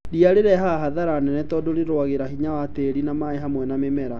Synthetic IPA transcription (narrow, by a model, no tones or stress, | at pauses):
diaɾeɾɛɦaɦaðaɾanɛnɛtɔdoɾeɾowaɣeɾaɦiɲawateɾinamaeɦamwɛnamemɛɾa